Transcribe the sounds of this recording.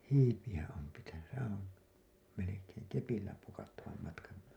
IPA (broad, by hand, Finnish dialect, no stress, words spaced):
hiːpij̆æ om pitæny sehæ̃ː om melekeːŋ kepilːæ pukɑtːɑʋɑm mɑtkɑn